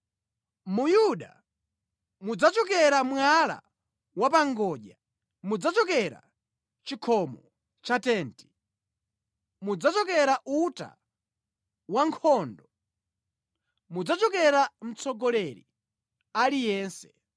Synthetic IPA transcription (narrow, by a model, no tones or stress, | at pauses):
mujuɗa̰ | mud͡zat͡ʃɔkɛɾamwala̰ | wapaŋɡɔːʄa | mud͡zat͡ʃɔkɛɾa̰ | t͡ʃikʰɔmɔ | t͡ʃatɛːnti̥ | mud͡zat͡ʃɔkɛɾaʔuta̰ | waŋkʰɔːndɔ | mud͡zat͡ʃɔkɛɾam̩t͡sʰɔɡɔlɛɾḭ | alijɛːnsɛ̥